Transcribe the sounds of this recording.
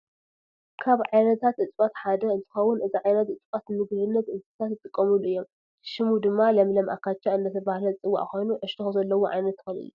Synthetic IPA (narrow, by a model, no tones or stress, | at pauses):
kʰaβʕajnɐt̪ʰat̪ʔɨt͡s̪ʼpʼat̪ħad̪ɐɨnt̪ʰɨ̥xɐwːʊnʔɨziʕajnɐt̪ʔɨt͡s̪ʼpʼat̪mɨɡlɨnːɐt̪ɨzɨt̪ʰat̪ːɨt̪ʼɨkʼːɐmuluʔɨjːom | ʃɪmud̪ɨmːalɐmlɐmʔa̰kat͡ʃːaɨnd̪ɐt̪ʰɐbahlɐt͡sʼɨwːa̰ʔko̞jnuʕɨʃt̪ʰixuzɐlːɐwoʕa̰jnɐt̪ːɨxɨlɨ̰jːu